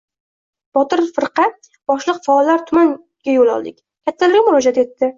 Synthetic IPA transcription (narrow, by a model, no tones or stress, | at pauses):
b̥ɒt̪ɪɾfɨɾqʰɑ | b̥ɒʃlˠɨqfaɒlːaɾt̪ʰʊman | ɡ̥ʲajolˠɒ̰lˠd̪ɪkʲ | kʲʰat̪ʰːalɪɾɡʲamʊɾɒd͡ʒat̪e̞t̪ːɪ